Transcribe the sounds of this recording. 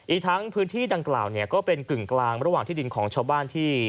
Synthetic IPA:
ʔiː˨˩k̚t̪ʰa˦˥ŋpʰɯː˦˥nt̪ʰiː˥˩da˧ŋkla̰ː˨˩wni˥˩ɐkɔː˥˩pe˧nkɯ˨˩ŋklaː˧ŋɾa˦waː˨˩ŋt̪ʰiː˥˩di˧nkʰɔː˩˦ŋt͡ɕʰaː˧wbaː˥˩nt̪ʰiː˥˩

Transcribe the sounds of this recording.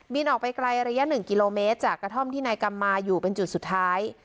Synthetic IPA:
bi˧nʔɔː˨˩k̚pa˧jkla˧jɾa˧ja˦˥ʔnɯ˨˩ŋki˧loː˧meː˦˥t̪̚t͡ɕaː˨˩kɾa˧t̪ʰo˥˩mt̪ʰiː˥˩naː˧jka˧mːaː˧juː˨˩pe˧nt͡ɕu˨˩t̪̚su˨˩t̪ʰːaː˦˥j

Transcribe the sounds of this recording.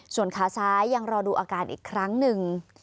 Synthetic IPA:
su˨˩ənkʰaː˧˩sʰaː˦˥jːa˧ŋɾɔː˧duː˧ʔaː˧kaː˧nʔḭː˨˩kʰːɾa˦˥ŋnɯ˨˩ŋ

